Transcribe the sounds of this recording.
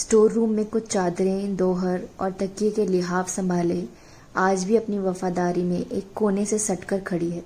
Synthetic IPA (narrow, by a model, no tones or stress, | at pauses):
sʈoːɾːuːmːẽkʊt͡ʃʰt͡ʃaːd̪ɾẽd̪ɔːɦəɾɔːɾt̪ɐkːjekelɪɦaːfsɐ̃mbʱaːlẽ | aːd͡ʒbʱiɐpniʋɐfaːd̪aːɾimẽʔeːkːoːnesesɐʈkəɾkʰɐɽiɦɛː